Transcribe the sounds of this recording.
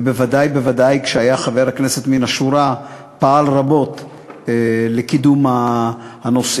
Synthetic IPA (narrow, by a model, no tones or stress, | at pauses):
bevadajbevadajkʃeajaχave̞ʁhakne̞set̪minaʃuɾa | paʔalʁabo̞t̪ | elekid̪umahano̞s